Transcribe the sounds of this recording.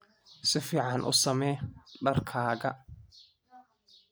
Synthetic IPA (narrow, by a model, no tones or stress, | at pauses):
sɪfiːʕɑnʔʊ̰sɐmɛːɖɐrkʰaːɣɐ